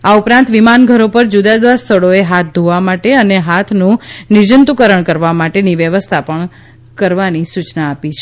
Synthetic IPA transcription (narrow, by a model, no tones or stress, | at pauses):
aupɾãnt̪ʋimanɡʱəɾopəɾd͡ʒud̪ad̪ʋast̪ʰəɽoeɦat̪̚ʰd̪ʱoʋamaʈeəneɦat̪ʰnũnɪd͡ʒənt̪ukəɾəɳkəɾʋamaʈeniʋjəʋəst̪ʰapəɳ | kəɾʋanisut͡ʃnaːpit͡ʃʰe